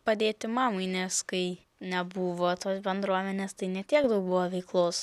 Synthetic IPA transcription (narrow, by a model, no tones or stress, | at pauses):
pɐd̪ʲeːt̪ʲɪmɑːmɐɪnʲɛskɐɪ | nʲɛbuːʋoːt̪oːsbʲɛnd̪ɾuɔmʲɛnʲeːst̪ɐɪnʲɛt̪ʲiɛkd̪ɐʊk̚buʋoːʋʲɛɪklˠoːs